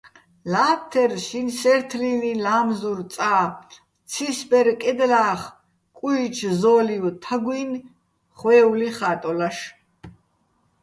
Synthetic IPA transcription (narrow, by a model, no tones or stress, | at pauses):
laːt̪ʰːɛrʃinsɛɾt̪ʰlinilaːmzuɾsʼaː | t͡sʰisbɛɾkʼɛd̪laːχ | kʼujt͡ʃʰzɔːliwt̪ʰaɡwin | χwɛːwliχaːt̪ʼɔlaʃ